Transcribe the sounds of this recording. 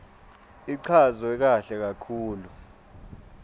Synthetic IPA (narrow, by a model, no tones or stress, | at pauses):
iǀʰazɔɛk̬aɬɛk̬akʰuːlu